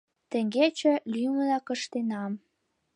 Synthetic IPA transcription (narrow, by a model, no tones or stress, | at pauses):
t̪ə̆ŋɡet͡ɕə̆lyməlɑkəʃt̪enɑm